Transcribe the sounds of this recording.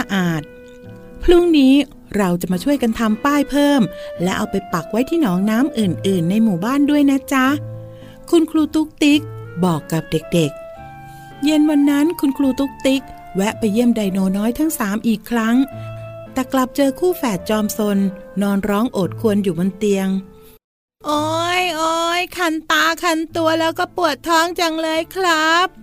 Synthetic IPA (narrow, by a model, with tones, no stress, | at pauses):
a˧ʔaː˨˩t̪̚ | pʰɾu˦˥˩ŋniː˦˥ | ɾa˧wt͡ɕa˨˩maː˧t͡ɕʰu˥˩əjka˧nt̪ʰa˧mpaː˥˩jpʰɤː˥˩mlɛ˦˥ʔa˧wpa˧jpa˨˩k̚wa˦˥jt̪ʰiː˥˩nɔː˩˦ŋnaː˦˥mʔɯː˨˩nʔɯː˨˩nːa˧jmuː˨˩baː˥˩ndu˥˩əjna˦˥t͡ɕa˦˥ | kʰu˧nkʰluː˧t̪u˦˥k̚t̪i˦˥k̚bɔː˨˩kːa˨˩p̚de˨˩k̚de˨˩k̚ | je˧nwa˧nːa˦˥nkʰu˧nkʰluː˧t̪u˦˥k̚t̪i˦˥k̚ | wɛ˦˥ʔpa˧jːi˥˩əmda˧jnoː˧nɔː˦˥jt̪ʰa˦˥ŋsaː˩˦mʔiː˨˩kʰːɾa˦˥ŋt̪ɛː˨˩kla˨˩p̚t͡ɕɤː˧kʰuː˥˩fɛː˨˩t̪̚t͡ɕɔː˧mso˧nːɔː˧nɾɔː˦˥ŋʔoː˨˩t̪̚kʰu˧ənjuː˨˩bo˧nt̪i˧əŋ | ʔoː˧˥jʔoː˧jkʰa˧nt̪aː˧kʰa˧nt̪u˧ɐlɛː˦˥wkɔː˥˩pu˨˩ət̪ʰːɔː˦˥ŋt͡ɕa˧ŋlɤː˧jkʰɾa˦˥p̚